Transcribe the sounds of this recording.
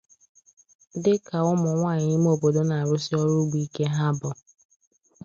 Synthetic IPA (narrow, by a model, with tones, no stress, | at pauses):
dɪ˦ka˨ʊ˦mʊ˨ŋʷaː˦˨ɲɪ˨ɪ˦m˦o˨bo˨do˦na˨ɾʊ˦sɪ˦ɔ˦ɾʊ˦ɡ͡bi˦ke˦ɦa˦bɔ˨